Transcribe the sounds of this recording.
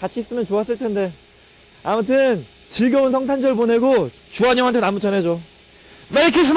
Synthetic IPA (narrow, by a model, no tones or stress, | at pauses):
kat͡ɕʰis͈ɯmjʌnt͡ɕoas͈ɯɭtʰende̞ | amutʰɯn | t͡ɕiɭɡjʌunsʰʌŋt̬ʰand͡ʑʌɭpone̞ɡo | t͡ɕuaɲjʌŋɦantʰenamut͡ɕʌnɦe̞d͡ʑo | meɾikʰis̬ʰm